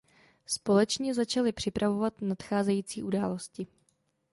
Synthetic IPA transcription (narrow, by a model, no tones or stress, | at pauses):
spo̞lɛt͡ʃɲɛzat͡ʃalɪpr̝̥ɪpɾʔavo̞vat̪nat̪xaːzɛjiːt͡siːʔudaːlo̞scɪ